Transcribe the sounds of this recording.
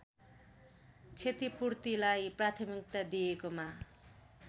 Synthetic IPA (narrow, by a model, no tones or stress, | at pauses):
t͡sʰet̪ipurt̪ilajprat̪ʰimik̚t̪ad̪ijekoma